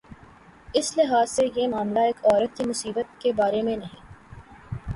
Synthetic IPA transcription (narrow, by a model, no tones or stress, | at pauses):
ɪslɪɦaːzsejemaːmlaeːkɔːɾət̪ːimʊsiːbət̪̚kebaːɾemẽnɐɦĩː